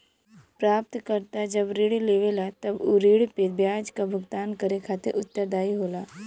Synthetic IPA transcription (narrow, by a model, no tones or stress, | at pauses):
pɾaːp̚t̪kəɾt̪ad͡ʒɐbɾiːɽleːʋelat̪ɐbuɾiːɽpebjaːd͡ʒkabʱʊɡt̪aːnkəɾekʰaːt̪ḛʔʊt̪ːəɾd̪aːiɦoːlaː